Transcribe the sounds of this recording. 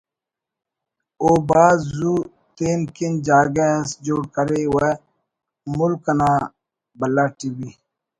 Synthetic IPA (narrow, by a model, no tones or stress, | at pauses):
oːbaːzuː | t̪eːnkind͡ʒaːɡesd͡ʒoːɽkəɾewe | mʊlkɐnaː | bɐlːaːʈiwi